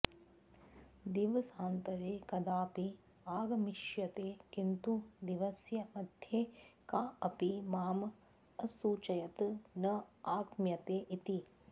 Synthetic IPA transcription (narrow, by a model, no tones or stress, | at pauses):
d̪iːʋɐsaːnt̪ɐɾeːkɐd̪aːpi | aːɡɐmiʃjɐt̪eːkint̪ud̪iʋɐsjɐmɐd̪ʱjeːkaːɐpimaːm | ɐsuːt͡ʃɐjɐt̪nɐaːkmjɐt̪eːʔit̪i